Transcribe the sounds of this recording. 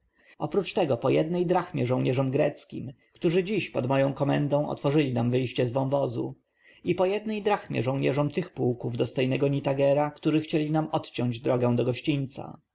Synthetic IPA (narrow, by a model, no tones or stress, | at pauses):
ɔpɾut͡ʂt̪ɛɡɔpɔjɛd̪nɛjd̪ɾaxmʲjɛʐɔ̃wɲɛʐɔmɡɾɛt̪skʲḭm | kt̪uʐɘd͡ʑiɕpɔd̪mɔjɔ̃w̃kɔmɛnd̪ɔ̃w̃ʔɔ̰t̪fɔʐɘlʲinamvɘjɕt͡ɕɛzvɔ̃w̃vɔzṵ | ipɔjɛd̪nɛjd̪ɾaxmʲjɛ̰ʐɔ̃w̃ɲɛʐɔmt̪ɘxpuwkuvd̪ɔst̪ɔjnɛɡɔɲit̪aɡɛɾakt̪uʐɘxt͡ɕɛlʲinamɔt̪t͡ɕɔɲd͡ʑd̪ɾɔɡɛ̃w̃d̪ɔɡɔɕt͡ɕiɲʲt̪sa̰